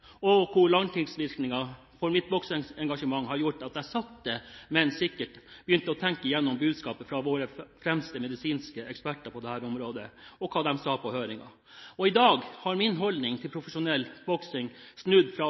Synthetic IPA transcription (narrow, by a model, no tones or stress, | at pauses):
ɔkʰʊɭɑŋt̪ʰɪŋsʋɪɾknɪŋɑ | fɔɾmɪt̪̚bɔksɪŋɛŋɡɑʂəmɑŋːhɑɾjʊʈːɑt̪jæɪsɑt̪d̪ɛmɛnsɪkːəʈb̥əjʏnt̪əɔt̪ʰɛŋkəjɛnːʊmbʉːd̪skɑːpəfɾɑʋoːɾəfɾɛmst̪əmɛd̪ɪsiːnskəɛkspæʈːəɾpʰɔd̪ɛhæːɾʊmɾoːd̪əɔkʰɑːd̪ɛmsɑːpʰɔhøːɾɪŋɑ̰ | ɔɪd̪ɑːɡhɑɾmɪnɦɔlnɪŋt̪ʰɪlpʰɾʊfəʂʊnɛlːb̥ɔksɪŋsnʉd̪fɾɑ